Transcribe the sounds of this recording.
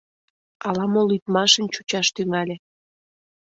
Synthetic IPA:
ɑlɑmolyt̪mɑʃə̆nt͡ɕut͡ɕɑʃt̪yŋɑlʲe

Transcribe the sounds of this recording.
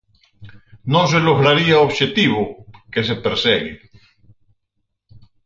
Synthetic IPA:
nõs̬eloɣɾaɾiaoβʃet̪iβokes̬epeɾseɣḛ

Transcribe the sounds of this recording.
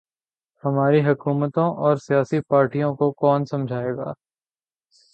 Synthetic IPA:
hɐmaːɾiɦɐkuːmət̪õʔɔːɾsijaːsipaːɾʈijõkokɔːnsɐ̃md͡ʒʱaːeːɡa̰ː

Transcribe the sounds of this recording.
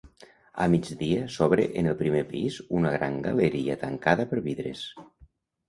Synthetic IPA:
a̰mid͡ʒðiəsɔβɾḛʔenelˠpɾimepizunəɣ̞ɾaŋɡaləɾiət̪əŋkaðəpəɾβiðɾḛs

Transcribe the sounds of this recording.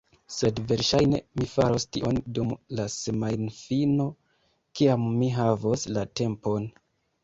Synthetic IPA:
se̞dve̞ɾʃajne̞̰mifa̰ɾo̞stiʔo̞ndumlasemajnfino̞ | kiamːiɦavoslate̞mpo̞n

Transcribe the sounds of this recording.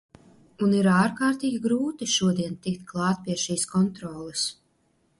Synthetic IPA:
uniɾaːɾkaːɾt̪iːɡʲiɡɾuːt̪iʃuɔd̪iɛnt̪ikt̪klˠɑːt̪̚pʲiɛʃiːskɔnt̪ɾɔːlˠɨs

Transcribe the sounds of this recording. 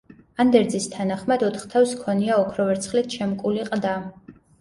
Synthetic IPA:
and̪ɛɾd̪zist̪ʰanaχmad̪ɔt̪ʰχt̪ʰawskʰɔniaɔkʰɾɔvɛɾt̪sʰχlit̪̚ʰʃʰɛmkʼuliqʼd̪a

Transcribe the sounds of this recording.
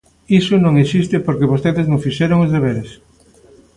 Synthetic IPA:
isʊnõŋesist̪ɪpoɾkeβost̪eðeznõŋfiʃɛɾoŋozðeβeɾes

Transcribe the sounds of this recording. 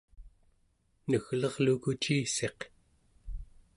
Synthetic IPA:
nəɣlʌʁlukut͡ʃiːse̞q

